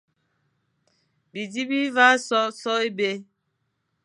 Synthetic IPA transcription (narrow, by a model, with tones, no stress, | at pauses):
bi˨di˦bi˦va˦sɔ˦sɔ˦e˦be˦